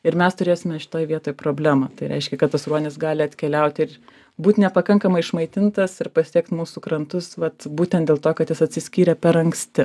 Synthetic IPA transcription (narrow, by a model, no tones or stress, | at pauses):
ɪɾmʲɛst̪ʊɾʲeːsʲɪmʲɛʃʲɪ̥t̪oːjʋʲiɛt̪oːjpɾoːbʲlʲæːmɐt̪ɐɪɾʲʔɛ̰ɪʃʲkʲɛkɐt̪̚t̪ɐsɾuɔnʲɪsɡɑːlʲɪɐt̪ʲkʲɛlʲɛʊt̪ʲɪr | buːt̪ʲnʲɛpɐkɐŋkɐmɐɪɪʃmɐɪt̪ʲɪnt̪ɐsɪɾpɐsʲiɛkt̪muːsuːkɾɐnt̪ʊsʋɐt̪buːt̪ʲɛnt̪d̪ʲeːlˠt̪oːkɐt̪jɪsɐt̪ʲsʲɪsʲkʲiːɾʲɛpʲɛɾɐŋksʲt̪ʲɪ